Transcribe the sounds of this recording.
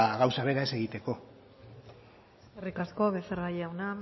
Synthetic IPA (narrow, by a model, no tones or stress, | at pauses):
ɣawsaβe̞ɾaese̞ɣ̞it̪e̞ko̞ | eskerikasko̞βeseɾɣajawna